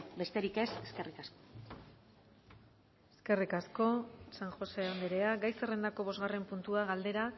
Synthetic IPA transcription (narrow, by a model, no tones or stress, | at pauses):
be̞st̪e̞ɾike̞seske̞rikasko | eske̞rikasko̞saŋxo̞se̞and̪eɾe̞aɡajsere̞nd̪ako̞β̞o̞zɣare̞mpunt̪uaɣald̪e̞ɾa